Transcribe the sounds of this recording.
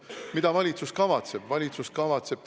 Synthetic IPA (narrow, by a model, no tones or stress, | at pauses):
mid̪ɑvɑlʲit̪suskɑvɑt̪se̞b̥vɑlʲit̪suskɑvɑt̪se̞b̥̚t̪